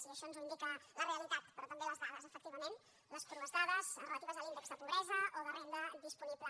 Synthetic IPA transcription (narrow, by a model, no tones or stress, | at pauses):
siəʃɔnzuind̪ikələreəlit̪at̪̚pəɾɔt̪əmbeləzðaðəzəfək̚t̪iβəmẽn | ləspɾuβəzðaðəzrələt̪iβəzðəlind̪əkzðəpuβɾɛzəoðərend̪əðispuniplə